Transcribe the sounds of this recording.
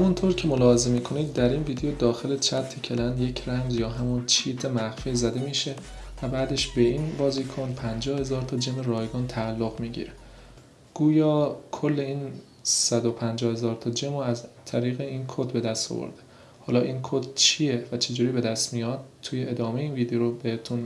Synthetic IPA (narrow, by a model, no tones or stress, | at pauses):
hæmunt̪ʰoɾcʰe̞molɒːheze̞miːkʰo̞nid̪̚d̪æɾiːnviːd̪ejod̪ɒːxe̞let͡ʃʰæt̪ʰːecʰelænd̪je̞cʰɾæmzjɒːɦæmunt͡ʃʰiːt̪ʰemæɣfiːzæd̪e̞miːʃe̞væbæːd̪e̞ʃbe̞iːnbɒːziːkʰonpʰænd͡ʒɒːhe̞zɒːɾt̪ʰɒːd͡ʒemeɾɒːjɡɒːnt̪ʰæːlːoɣmiːɟḭɾe | ɡ̥uːjɒːkʰo̞lːe̞iːn | sæd̪o̞pʰænd͡ʒɒːhe̞zɒːɾt̪ʰɒːd͡ʒemoæzt̪ʰæɾiːɣeiːnkʰod̪be̞d̪æst̪o̰vo̰ɾd̪e | hɒːlɒːʔinkʰod̪̥t͡ʃʰijevæt͡ʃʰe̞d͡ʒuːɾiːbe̞d̪æst̪mijɒːd̪̚t̪ʰːuːjeʔed̪ɒːme̞jeiːnviːd̪ejoɾobehet̪ʰun